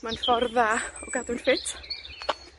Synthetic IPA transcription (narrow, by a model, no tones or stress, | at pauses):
manfɔrðaɔɡadʊnfɪtʰ